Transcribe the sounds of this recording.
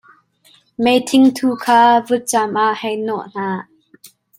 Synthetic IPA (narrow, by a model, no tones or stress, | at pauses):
mejt̪ʰɪŋt̪ʰukʰaːvut̚t͡samʔaʔhɛjnɔʔn̥aː